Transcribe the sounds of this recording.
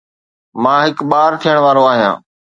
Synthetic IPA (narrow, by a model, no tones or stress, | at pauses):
mãːɦɪkɓaːɾt̪ʰijəɽ̃ʋaːɾoaːɦijã̰ː